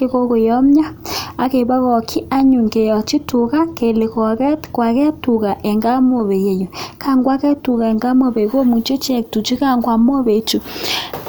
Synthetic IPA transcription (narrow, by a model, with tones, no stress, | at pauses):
ke˦ɣo˦ko˨jɔ˦m˦ɲa˦a˨ke˨βa˦ɣɔ˨kʰi˦ʔa˦ɲu˨ŋke˨jɔ˨t͡ʃi˦tu˨ɣa˦ke˨le˨kɔ˨ɣɛ˦tkwa˨kɛ˦tu˨ɣa˨ʔɛ˨ŋɡa˦mo˨βe˨je˨jo˨ka˦ŋɡwa˦kɛ˦tu˨ɣa˨e˨ŋɡa˦mo˨βe˨ɣo˦mu˨t͡ʃe˦t͡ʃɛ˦˨ktu˨t͡ʃi˦ka˦˨ŋɡwa˨mo˦βe˨˦t͡ʃu˨